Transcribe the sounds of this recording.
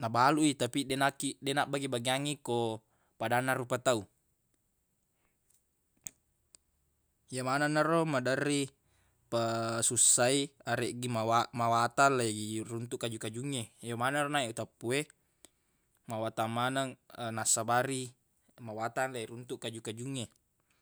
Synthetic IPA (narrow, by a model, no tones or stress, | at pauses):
nabaluit̪apidenakidenaʔbaɡibaɡiaŋiko | padanːaɾupat̪au | jamananaromadərːi | pasusːaiaɾeʔɡimawamawat̪anlaɡirunt̪uʔkːad͡ʒukad͡ʒuŋːejamanaronaeʔut̪apːue | mawat̪amːanaŋənasːabaɾi | mawat̪anlaiɾunt̪uʔkad͡ʒukad͡ʒuŋːe